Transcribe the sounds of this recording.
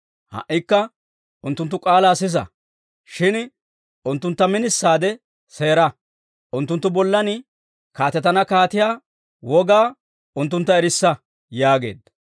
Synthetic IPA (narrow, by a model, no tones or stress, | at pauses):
hɐ̰ʔɪkːɐ | ʔʊnt̪ːʊnt̪ːʊkʼaːlaːsɪs̬ɐ̰ | ʃɪn | ʔʊnt̪ːʊnt̪ːɐmɪnɪsːaːd̪ɛ | se̞ːɾɐ | ʔʊnt̪ːʊnt̪ːʊbɔlːɐnɪ | kaːt̪ɛt̪ɐnɐkaːt̪ɪjaː | wɔɡaː | ʊnt̪ːʊnt̪ːɐɛɾɪsːɐ | jaːɡe̞̰ːd̪